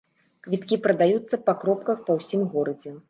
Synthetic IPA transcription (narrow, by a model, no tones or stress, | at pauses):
kvʲit̪kʲipɾɐd̪ajut̪sːɐpɐkɾɔp̚kɐxpɐwsʲimɣɔɾɐd͡zʲɛ